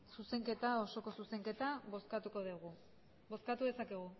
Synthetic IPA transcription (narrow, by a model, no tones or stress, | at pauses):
suse̞ŋke̞t̪ao̞so̞ko̞suse̞ŋke̞t̪aβoskat̪uko̞ðiɣu | bo̞skat̪uðe̞sakeɣ̞u